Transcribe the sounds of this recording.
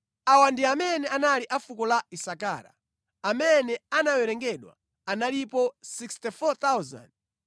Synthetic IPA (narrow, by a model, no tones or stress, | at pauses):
awandiamɛnɛanaliʔafukɔlaisaka̰ːɾa̰ | amɛnɛanawɛɾɛŋɡɛɗwa̰ | analipɔsikstifɔt̪awza̰nd